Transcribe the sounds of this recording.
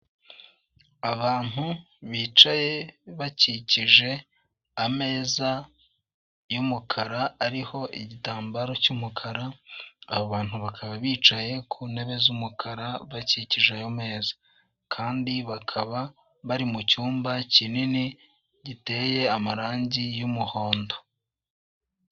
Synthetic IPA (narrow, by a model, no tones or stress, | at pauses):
aβaːn̥hu | βiːt͡ʃaje̞βaciciʒe̞ | ame̞ːza | jumukʰaɾaːɾiho̞ʔiɟitaːmbaɾo̞cumukʰaɾa̰ːβoβaːn̥huβakʰaβaβiːt͡ʃaje̞kʰuːne̞βe̞zumukʰaɾaβaciciʒeajo̞me̞ːzḁ | kʰaːndiβakʰaβa | βaɾimucuːmbacinini | ɟite̞ːje̞amaɾaːɲɟijumuho̞ːndo̞̥